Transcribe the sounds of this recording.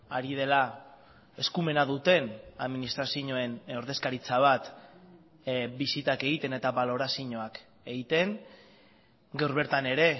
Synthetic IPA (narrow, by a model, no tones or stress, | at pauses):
aɾið̞e̞la | e̞skume̞naðut̪e̞naðminist̪ɾasiɲo̞e̞no̞ɾðe̞skaɾit͡saβ̞at̪ | bisit̪ake̞ɣ̞it̪e̞ne̞t̪aβalo̞ɾasiɲo̞ak | e̞ɣit̪e̞ŋ | ɡewɾβe̞ɾt̪ane̞ɾe̞